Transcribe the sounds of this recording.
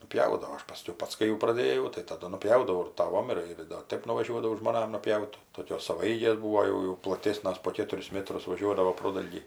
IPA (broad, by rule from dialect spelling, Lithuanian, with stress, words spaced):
nʊˈpʲjɛʊdɐʋoː ˈɐʃ pɐˈsʲkʲɛʊ ˈpɐts kɐɪ jɛʊ prɐˈdʲeːjɛʊ tɐɪ tɐˈdʊ nʊˈpʲjɛʊdɐʋɐʊ ɪr tɐˈʋoːm ˈɪr ɪr doː ˈtɐɪp nʊʋɐˈʒʲuɔdɐʋɐʊ ʒmoːˈnɐm nʊpʲˈjɛʊt toːˈkʲoːs sɐʋɐˈɛɪɡʲeːs ˈbuːʋoː ˈjɛʊ jɛʊ plˠɐˈtʲeːsnɐs poː ˈkʲeːtʊrʲɪs ˈmʲæːtrʊs ʋɐˈʒʲuɔdɐʋoː ˈproːdɐlʲɡʲiː